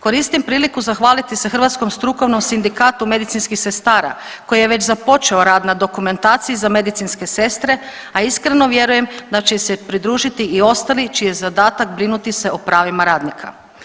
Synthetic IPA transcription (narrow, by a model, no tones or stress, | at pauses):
ko̞ɾist̪impɾiːlikuzaxʋaːlit̪isexr̩ʋat̪sko̞mst̪ɾuko̞ʋno̞msind̪ikaːt̪ume̞d̪it̪sinskixse̞st̪aːɾa̰ | ko̞jijeʋe̞t͡ɕzapo̞t͡ʃe̞oɾaːd̪nad̪o̞kume̞nt̪aːt̪sijizame̞d̪it̪sinske̞se̞st̪ɾe̞ | aiskɾe̞no̞ʋje̞ɾuje̞md̪at͡ʃe̞sepɾid̪ɾuːʒit̪iio̞st̪alit͡ʃijezad̪aːt̪akbɾinut̪iseopɾaːʋimaɾaːd̪nikʰa̰